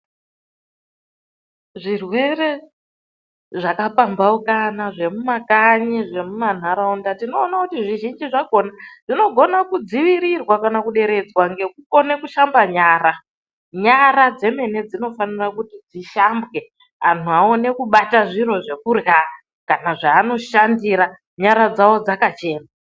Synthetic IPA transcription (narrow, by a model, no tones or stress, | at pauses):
ʐirwe̞re̞ | ʐakapambaukanaʐe̞mumakaɲeʐe̞muman̤aɾaundatino̞ːnakutiʐiʒind͡ʒiʐaɡʱo̞naʐ̥ino̞ɡʱo̞nakud͡ziʋiɾirwakanakuɗe̞ɾe̞d͡zwaŋɡe̞kuko̞ne̞kuʃambaɲaːra | ɲaɾad͡ze̞me̞ne̞d͡zino̞fanirakutid͡ziʃambwe̞ | antuao̞ne̞kuɓataʐiro̞ʐe̞kurɣa | kanaʐaːno̞ʃandiɾa | ɲaɾad͡zawo̞d͡zakat͡ʃe̞ːna